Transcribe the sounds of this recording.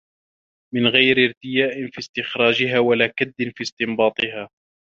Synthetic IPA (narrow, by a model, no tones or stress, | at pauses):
mɪnɣajɾɪɾt̪ɪjaːʔɪnfiːst̪ɪxɾˤɑːd͡ʒɪɦaːwalaːkad̪ːɪnfiːst̪ɪmbɑːt̪ˤɨɦaː